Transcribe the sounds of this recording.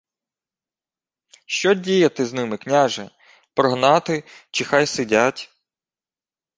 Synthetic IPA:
ʃt͡ʃɔdʲijɐt̪ɪznɪmɪknʲaʒɛ | pɾɔɦnɑt̪ɪt͡ʃɪxɑjsɪdʲatʲ

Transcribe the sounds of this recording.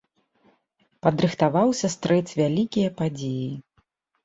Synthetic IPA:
pɐd̪ɾɨxt̪avawsʲɐst̪ɾɛt͡s̪ʲvʲalʲikʲijɐpad͡zʲeji

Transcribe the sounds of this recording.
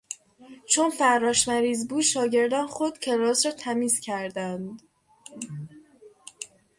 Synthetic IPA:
t͡ʃʰonfæɾːɒːʃmæɾiːzbuːd̪ʃɒːɟe̞ɾd̪ɒːnxod̪̥̚cʲʰeɾɒːzɾɒːt̪ʰæmiːzcʰæɾd̪ænd̪

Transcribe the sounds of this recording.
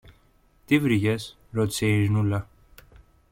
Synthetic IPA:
t̪ivɾiʝes | ɾo̞t̪i̥se̞iɾinulɐ

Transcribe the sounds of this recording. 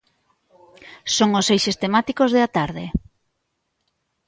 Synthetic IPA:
soŋʊsejʃest̪emat̪ikozðeat̪aɾðɪ

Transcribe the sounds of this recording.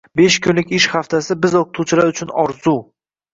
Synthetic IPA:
be̞ʃkʰʊnlɪkʲɪʃχaft̪ʰasɪbɪzoqʊt̪ʰuwt͡ʃʰɪlaɾʊt͡ʃʰʊnɒɾzu

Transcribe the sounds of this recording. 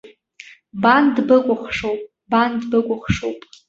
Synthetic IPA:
bandbɨkʷʼʊχʂowpʼ | bandbɨkʷʼʊχʂowpʼ

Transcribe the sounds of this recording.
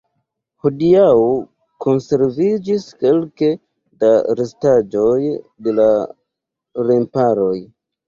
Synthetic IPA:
hodiao | ko̞nse̞ɾvid͡ʒiske̞lke̞ | daɾestad͡ʒo̞jde̞la | ɾempaɾo̞j

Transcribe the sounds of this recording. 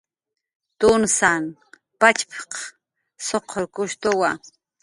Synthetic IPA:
t̪ʊnsan | pat͡ʃpʰq | soqʰoɾkʊʃt̪owa

